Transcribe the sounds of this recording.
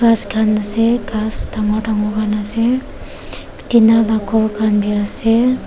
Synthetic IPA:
ɡaskʰanaseɡastʰaŋɡɔʈʰaŋɔkʰanase | tinalakʰɔɹkʰanbiase

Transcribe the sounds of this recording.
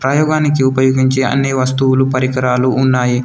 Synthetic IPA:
pɾɐjɔːɡaːnikiupɐjoːɡiɲt͡ʃeːɐ̰nːiʋɐst̪uwulupɐɾikɐɾaːluʔːnːaːji

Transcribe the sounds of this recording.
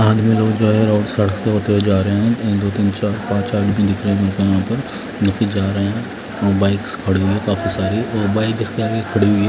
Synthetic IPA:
aːd̪mẽloːɡd͡ʒoːɦɛɾaːʈsɐɽəkʰt̪eɦoːt̪eɦod͡ʒaːɾɐɦẽɦɛ̃t̪ɐĩd̪oːt̪iːnt͡ʃaːɾpãːt͡ʃaːɖbʱĩd̪ɪkʰɾeɦɛ̃mẽːkẽjɦãːpɐɾ | nɐkid͡ʒaːɾɐɦeɦɛ̃ | ɔːɾbaːɪkskʰɐɽiɦuiɦɛkaːfisaːɾiɔːɾbaːɪkd͡ʒɪst̪ɐɾaːkekʰɐɽiɦuiɛ

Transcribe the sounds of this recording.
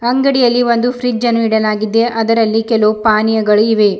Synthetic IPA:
ɐŋɡɐɽijɐlːiʋo̞nd̪upʰɾid͡ʒɐnːuiɽɐlaːɡid̪ːe̞ʔɐd̪ɐɾɐlːikɛlopaːnijɐɡɐɭuiʋe̞

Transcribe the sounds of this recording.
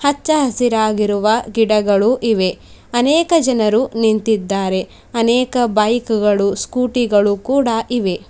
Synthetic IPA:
hɐt͡ʃːɐɦɐsiɾaːɡiɾuʋɐɡiɽɐɡɐɭuʔiʋe̞ɐnɛːkɐd͡ʒɐnɐɾunint̪id̪ːaːɾe̞ | ɐnɛːkɐbɐjkuɡɐɭuskuːʈiɡɐɭukuːɽɐʔiʋe̞

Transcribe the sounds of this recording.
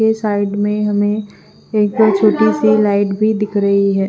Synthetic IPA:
esaːɪɖmẽɦɐmẽ | eːk̚baɾt͡ʃʰoːʈisilaːɪʈbʱid̪ɪkʰɾɐɦiɦɛː

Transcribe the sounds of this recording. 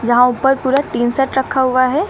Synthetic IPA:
d͡ʒɐɦãʊpəɾpuːɾaʈiːnsəʈɾɐkʰaɦʊaɦɛː

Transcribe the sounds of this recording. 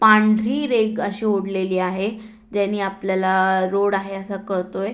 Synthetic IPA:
pãɳɖʱɾiːɾeɡəɕiːoɽleliːaɦe | d͡ʑaniːapljalaɾoɽaɦeəsakəɾt̪oj

